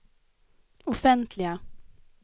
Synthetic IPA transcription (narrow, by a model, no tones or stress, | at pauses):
ɔfɛnt̪ʰlɪɡa